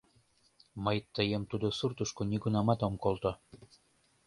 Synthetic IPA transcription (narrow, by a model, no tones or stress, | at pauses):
məjt̪əjemt̪ud̪osurt̪uʃkonʲiɡunɑmɑt̪omkolt̪o